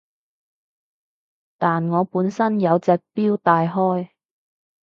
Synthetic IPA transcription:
t̪aː˨nŋɔː˨˧puː˨˥nsɐ˥njɐ˨˧wt͡sɛː˨k̚piː˥wt̪aː˨jɦɔː˥j

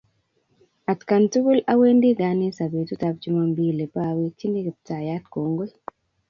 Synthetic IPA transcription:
a˨tka˨ntu˦ɡu˦la˦we˦ndi˦ɡani˦sa˨be˨tutap̚d͡ʒu˦ma˨mbi˦le˨pawe˦t͡ʃi˦ni˦ki˨p̚ta˨ja˦tko˨ŋɡwe˦

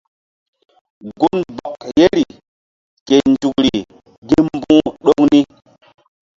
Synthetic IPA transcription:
ɡu˦nba˨kje˦ɾi˨ | ke˨nd͡ʒu˨kɾi˨ | ɡi˦mmbũ˦ɗo˦ŋni˦

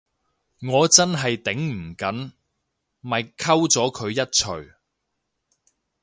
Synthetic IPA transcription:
ŋɔː˨˧t͡sɐ˥nɦɐ˨jt̪ɪ˨˥ŋm̩˨˩kɐ˨˥n | mɐ˨jkʰɐ˥wt͡sɔː˨˥kʰɵ˨˧ɥjɐ˥t̚t͡ʃʰɵ˨˩ɥ

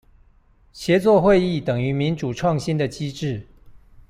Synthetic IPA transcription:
ɕjɛ˨˧˥t͡swɔ˥˧xwe˥˧ɪi˥˨t̪ə˨˩ŋy˨˥mi˨˦nʈ͡ʂu˨˩ʈ͡ʂʰwɑ˥˨ŋɕi˦nd̪ə˨t͡ɕi˥ʈ͡ʂɻ̩˥˩˨

